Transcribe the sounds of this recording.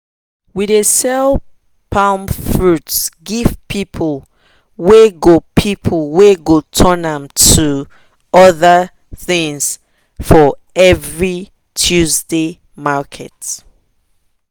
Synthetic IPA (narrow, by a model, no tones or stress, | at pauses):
widesɛl | pʰãʊmfɹutsɡiv̥pʰipʰəl | weɡopʰipʰəlweɡotʰənãmtʰu | ɔðə | θĩŋs | fɔɛvɹi | tʰuzde | makʰɛt